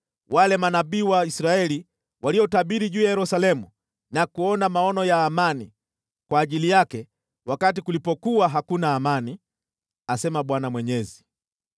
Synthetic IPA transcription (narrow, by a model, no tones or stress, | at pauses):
walɛmanaɓiːwaisɾaɛli | wʔaliɔtaɓiɾiʄuːjajɛɾusalɛmu | nakuɔnamaɔnɔjaːmani | kwaːʄilijakɛ | wakatikulipɔkuaɦakunaːmani | asɛmaɓwanamwɛɲɛzi